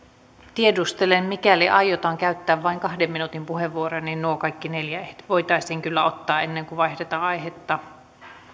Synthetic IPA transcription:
t̪iedust̪elemmikæliʔɑijot̪ɑːŋkæyt̪ːæːʋʋɑiŋkɑhdemːinut̪impuheʋːuoronːinnuokɑikːineljæeht̪ʋoijt̪ɑisiːŋkylːæot̪ːɑːenːeŋkuʋɑihdet̪ɑɑjɦet̪ːɑ

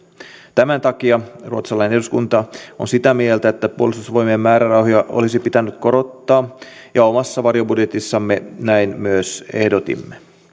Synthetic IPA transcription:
t̪æmænt̪ɑkiɑruot̪sɑlɑˑineneduskunt̪ɑonsit̪æmielt̪æet̪ːæpuolist̪usʋo̞jmieːmːæːɾærɑwɦojɑʔo̰lisipit̪ænːyt̪ko̞ɾo̞t̪ːɑː | jɑomɑsːɑʋɑrjo̞budjet̪isːɑmːenæinmyøse̞hdo̞t̪ḭmːe

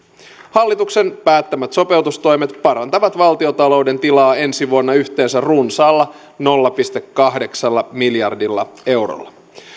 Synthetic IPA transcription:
hɑlːit̪ukse̞npæːt̪ːæmæt̪so̞pe̞wt̪ust̪o̞jmet̪pɑɾɑnt̪ɑʋɑt̪ʋɑlt̪io̞t̪ɑlo̞wde̞nt̪ilɑːe̞nsiʋuonːɑyçt̪e̞ːnsærrunsɑːlːɑ | no̞lːɑpist̪e̞kːɑɦde̞ksɑlːɑmiljɑrdilːɑe̞wro̰lːɑ

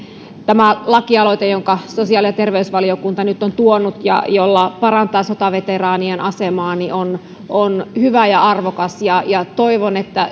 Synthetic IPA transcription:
t̪æmælɑkiɑlo̞it̪ejo̞ŋkɑso̞siɑːljɑt̪e̞rʋeysʋɑliokunt̪ɑnyt̪ːˑont̪uonːut̪jɑ̰jolːɑpɑɾɑnt̪ɑːsot̪ɑʋet̪erɑːnienʔɑsemɑːnion | ʔonhyʋæjɑɑrʋokɑsjɑjɑt̪oiʋonet̪ːæ

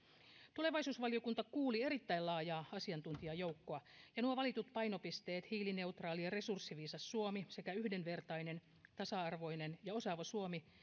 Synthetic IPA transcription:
t̪ule̞ʋɑjsuːsʋɑlio̞kunt̪ɑkuːlie̞ɾit̪ːæilɑːjɑːɑsiɑnt̪unt̪iɑjowkːoɑjɑnuoʋɑlit̪ut̪pɑino̞pist̪eːt̪hiːline̞ut̪rɑːliɑre̞sursːiʋiːsɑsːuomise̞kæyhdenʋe̞rt̪ɑine̞n | t̪ɑsɑɑrʋo̞inenjɑo̞sɑʋɑsuomi

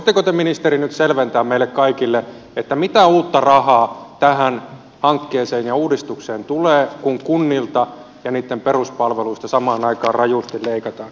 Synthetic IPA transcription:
oit̪ːekot̪eminist̪erinyt̪selʋent̪æːmmeilːekkɑikilːe | et̪ːæmit̪æuːt̪ːɑrɑhɑːt̪æhæn | hɑŋkːeːseːnjɑuːdist̪ukseːnt̪uleːkuŋkunːilt̪ɑ | jɑniːt̪ːemperuspɑlʋeluist̪ɑsɑmɑːnɑikɑːrrɑjust̪illeikɑt̪ɑːn

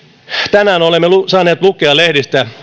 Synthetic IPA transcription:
t̪ænæːnolemːesɑːneːt̪lukˑeɑlehdist̪æ

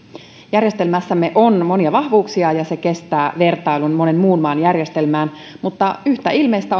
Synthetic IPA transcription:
jærje̞st̪elmæsːæmːeʔonmo̞niɑʋɑhʋuːksiɑjɑse̞ke̞st̪æːʋe̞rt̪ɑilunmo̞ne̞nmuːnmɑːnjærjest̪e̞lmæːn | mut̪ːɑyçt̪æilmejst̪æ

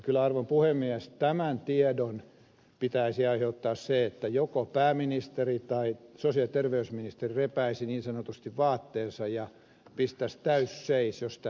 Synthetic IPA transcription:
kylæɑrʋompuhemːiɛst̪æmænt̪iedon | pit̪æisiɑiheut̪ːɑːsseet̪ːæjokopæːminist̪erit̪ɑisosiɑlit̪erʋeysminist̪erirepæisiniːnsɑnot̪ust̪iʋʋɑːt̪ːeːnsɑjjɑ | pist̪æst̪æysseisjost̪

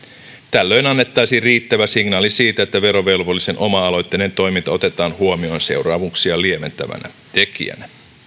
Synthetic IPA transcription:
t̪ælːø̞inɑnːet̪ːɑjsiriːt̪ːæʋæsiŋnɑːlisiːt̪æet̪ːæʋe̞ɾo̞ʋe̞lʋolːise̞nʔo̞mɑɑlo̞jt̪ːenent̪o̞jmint̪ɑo̞t̪e̞t̪ɑːnhuomionse̞̰urɑːʋuksiɑlie̞me̞̰nt̪æ̰ʋæ̰næ̰ | t̪e̞kḭæ̰næ

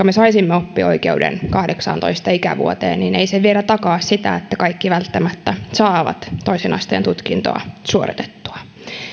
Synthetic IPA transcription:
kɑmesɑisimːeopːio̰ikḛudḛnkɑhdeksɑ̰nt̪o̰ist̪ɑikæ̰ʋṵot̪ḛːnnineiseʋielæt̪ɑkɑːssit̪æ̰et̪ːækɑikːiʋælt̪ːæmæt̪ːæsɑːʋɑ̰t̪t̪ːoisenɑ̰st̪eːnt̪ut̪kint̪oɑ̰suoɾit̪e̥t̪ːu̥ɑ

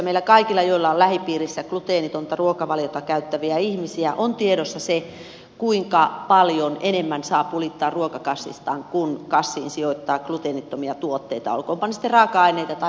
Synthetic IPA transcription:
meilːækɑikilːɑjoilːɑollæhipiːrisːæklut̪eːnit̪ont̪ɑruokɑʋɑljot̪ɑkæyt̪ːæʋiæihmisiæʔont̪ieɾosːɑse | kuiŋkɑpɑljonenemːænsɑːpulit̪ːɑːrruokɑkɑsːḭst̪ɑːŋkunkɑsːḭːnsioit̪ːɑːklut̪eːnit̪ːomiɑt̪uot̪ːeit̪ɑ̰o̰lkoːmpɑnsi̥t̪ːerɑːkɑɑineit̪ɑt̪ɑ

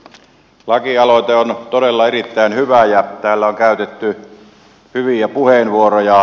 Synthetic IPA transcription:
lɑkiɑloˑet̪eont̪odelːɑerit̪ːæˑinhyʋæjæt̪æːlːæoŋkæˑyt̪et̪ːy | hyʋiæpuhenʋuorojɑ

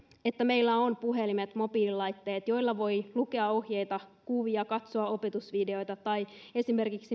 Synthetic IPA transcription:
e̞t̪ːæme̞ilːæonpuɦelimet̪mo̞piːlilɑjt̪ːeːt̪jo̞ilːɑʋo̞jluke̞ɑo̞hjejt̪ɑkuʋiɑkɑt̪soɑo̞pe̞t̪usʋide̞o̞jt̪ɑt̪ɑie̞sime̞rkiksi

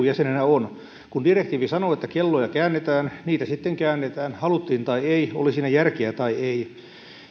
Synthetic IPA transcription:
jæsenenæon | kundirekt̪iːʋisɑnoːet̪ːækelːojɑkæːnːet̪æːnniːt̪æsit̪ːeŋkæːnːet̪æːnhɑlut̪ːiːnt̪ɑieio̰lisiːnæjærkeæt̪ɑiei

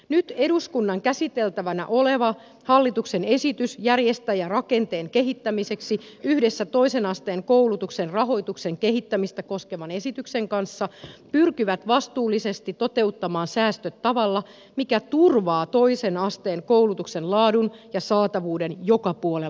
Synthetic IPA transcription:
nyt̪e̞ɾuskunːɑŋkæsit̪elt̪æʋænæ̰ʔo̞leʋɑ | hɑlːit̪uksene̞sit̪ysjærjest̪æjɑrɑke̞nt̪e̞ːŋke̞ɦit̪ːæmise̞ksi | yhde̞sːæt̪o̞isenɑst̪eːŋkoulut̪uksenrɑɦo̞it̪ukseŋkeɦit̪ːæmist̪æko̞ske̞ʋɑne̞sit̪ykseŋkɑnsːɑpyrkiʋæt̪ʋɑst̪uːlːisest̪it̪o̞t̪e̞ut̪ːɑmɑːnsæːst̪øt̪ːɑʋɑlːɑ | mikæt̪urʋɑːt̪o̞isenɑst̪eːŋkowlut̪uksenlɑːdunjɑsɑːt̪ɑʋuːdenjokɑpuole

